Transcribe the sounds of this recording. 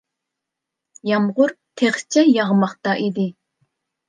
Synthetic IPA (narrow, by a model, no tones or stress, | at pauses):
jɑmʁʊɾt̪ʰeχt͡ʃʰɛjɑʁmɑχt̪ɑʔid̪ɪ